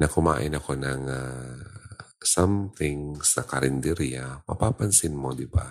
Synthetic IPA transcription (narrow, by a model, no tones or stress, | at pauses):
nɐkʊma̰ːʔɪnɐko̞nɐŋa | samθɪŋsɐkɐɾɪnd̪ɛɾjamɐ̰papansɪnmod̪ɪba̰